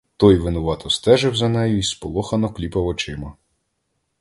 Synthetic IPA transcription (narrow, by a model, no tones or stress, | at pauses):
t̪ɔjʋɪnʊʋɑt̪ɔst̪ɛʒɪwzɐnɛjʊispɔlˠɔxɐnɔklʲipɐwɔt͡ʃɪmɐ